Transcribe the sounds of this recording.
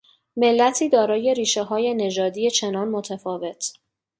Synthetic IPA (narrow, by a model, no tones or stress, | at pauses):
me̞lːæt̪ʰiːd̪ɒːɾɒːje̞ɾiːʃeɦɒːje̞ne̞d͡ʒɒːd̪iːje̞t͡ʃʰe̞nɒːnmot̪ʰæfɒːve̞t̪ʰ